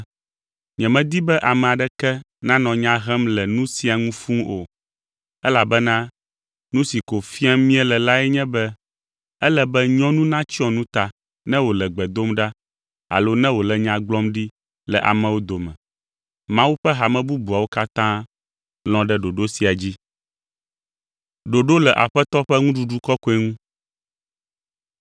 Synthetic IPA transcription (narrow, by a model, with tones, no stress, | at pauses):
ɲɛ̃˨mɛ̃˦d̪i˦bɛ˦ʔa˨mɛ̃˨a˨ɖɛ˦kɛ˦ | nã˦nɔ̃˨ɲã˦ɦɛ˦mlɛ˨nũ˦si˨a˨ŋũ˦fũ˦o̰˨ | ɛ˦la˨bɛ˦nã˦ | nũ˦si˨ko˨fi˦a˦mĩ˦ɛ˦lɛ˨la˦ɛ˦ɲɛ̃˦bɛ˦ | ɛ˦lɛ˦bɛ˦ɲɔ̃˦nũ˦nã˦t͡ɕi˦ɔ̃˨nũ˦t̪a˨ | nɛ̃˦wo˨lɛ˨ɡ͡bɛ˨d̪o˦mɖa˦ | a̰˨lo˦nɛ̃˦wo˨lɛ˨ɲã˨ɡ͡blɔ˦mɖi˦ | lɛ˨ʔa̰˨mɛ̃˨wo˦d̪o˨mɛ̰̃˨ | mã˦wu˦ɸɛ˦ɦa˨mɛ̃˨bu˦bu˨a˨wo˦ka˦t̪ã˦ | l̃ɔ̃˦ɖɛ˦ɖo˨ɖo˦si˨a˨d͡ʑi˦ | ɖo˨ɖo˦lɛ˨ʔa̰˨ɸɛ˦t̪ɔ˦ɸɛ˦ŋũ˦ɖu˦ɖu˦kɔ˦kɔ˦ɛ˦ŋũ˦